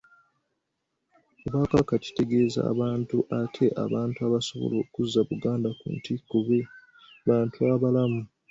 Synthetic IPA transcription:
oβakakaci̥te̞ɡe̞ːza̰ːβaːntuʔatʰe̞ʔa̰βaːntuaβaso̞βo̰lo̞ːkuzːaβuɡaːndakṵntʰikːoβe | βaːntuaβalamu

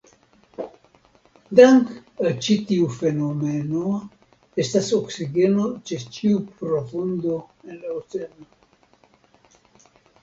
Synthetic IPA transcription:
d̪aŋkat͡ʃit̪iufe̞nomeno | estasoksiɡenot͡ʃet͡ʃiupɾofund̪oenlaot͡seno

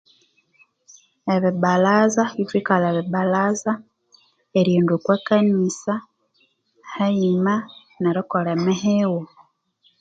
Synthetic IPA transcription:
eβiβalazaβivikalaβiβalaza | eɾiːndukwakanisa | haima | neɾokolemeɦewo

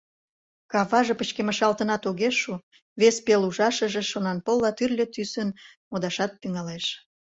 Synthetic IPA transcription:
kɑβɑʒepət͡ɕkeməʃɑlt̪ənɑt̪oɣeʃːu | βespeluʒɑʃəʒĕʃonɑnpolːɑt̪yrlʲet̪ysən | mod̪ɑʃɑt̪̚ːyŋɑleʃ

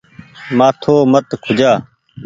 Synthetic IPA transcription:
mãːt̪ʰoːmət̪kʰʊd͡ʒaː

